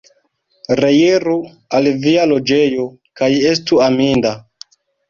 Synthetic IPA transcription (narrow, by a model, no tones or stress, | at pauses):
ɾejeɾu | alvialo̞d͡ʒe̞jo̞ | kaje̞stuaminda